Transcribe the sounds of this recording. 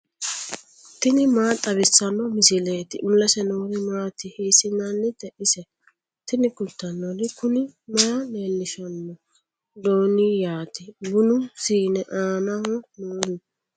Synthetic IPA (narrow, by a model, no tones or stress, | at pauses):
t̪ɪnɪmaːt̪ʼɐβɪsːɐnɔmɪsɪleːt̪ɪʔʊlːɐsɛnɔːd̪ɪmaːt̪ɪheːsɪnːanːɪt̪ɛʔɪsɛ | t̪ɪnɪkʊlt̪ːɐnːɔlɪkʊnɪmaːneːlːɪʃɐnːɔ | d̪oːnijaːt̪ɪbʊnʊsiːnɛʔaːnahɔnoːd̪ɪ